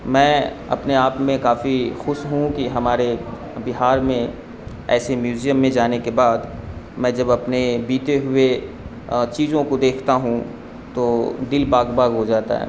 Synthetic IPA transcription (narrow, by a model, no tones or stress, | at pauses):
mɛ̃ː | ɐ̰pneaːpmẽkaːfixʊʃɦũkiɦɐmaːɾe | bɪɦaːɾmẽ | ɛːsemjuːzijəmːẽd͡ʒaːnekebaːd̪ | mɛ̃ːd͡ʒɐbɐpnebiːt̪eɦʊe | t͡ʃiːzõkod̪eːkʰt̪aɦũ | t̪oːd̪ɪlbaːɡbaːɡɦod͡ʒaːt̪a̰ɦɛ̰ː